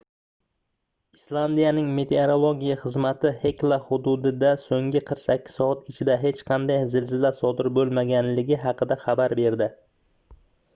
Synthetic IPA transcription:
islˠand̪ijanɪŋme̞t̪ʰe̞oɾolˠoɡʲijaχɨzmat̪ʰɪhe̞klˠahʊd̪ʊd̪ɪd̪asoŋʲɪqʰɨɾqsakʲʰːɪ̥ssɒat̪ɪt͡ʃʰɪd̪aɦe̞t͡ʃqʰɑnd̪ajzɪlzɪlaɾsɒd̪ɪɾbolˠmaɡʲanlɪɡʲɪɦɑqɨd̪aχɑbaɾbe̞ɾd̪ɪ

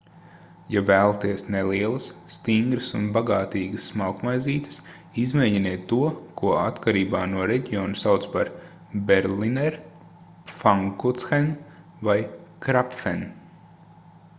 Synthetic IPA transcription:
javæːlˠat̪iɛsnelˠiɛlˠəsːt̪iŋɡɾəsunbaɡaːt̪iːɡəsːmawkmajziːt̪ə̥s | izmejɟineːt̪ːuɔkuɔat̪kaɾiːbaːnuɔɾeɟiɔːnusawt̪spaɾ | bɛɾlinɛɾ | faŋkut̪sxɛn | vajkɾapfɛn

